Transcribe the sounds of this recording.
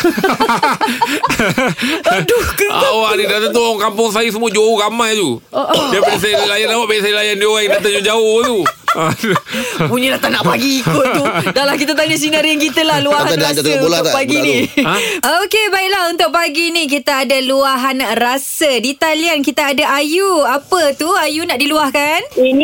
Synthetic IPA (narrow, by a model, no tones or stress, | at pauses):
dukawaʔnidat̪at̪̬uɔŋkampʊŋs̬ajus̬əmũad͡ʒouɣamãjt̪uəʔdiabaisajlajanlawaʔbaisajlajandioɣaidat̪ad͡ʒud͡ʒaʊht̪ua | puɲəlaht̪anaʔpaɡiːkʊt̪udalahkit̪at̪̬aɲasinaɾiankit̪əlahluaɦaaadat̪aolat̪apaɡinĩ | okebaiʔlaɦunt̪ʊʔ̚paɡinik̬it̪aadaluaɦanrasədit̪aliankit̪aadaʔajuapət̪uajunaʔdiluahkanin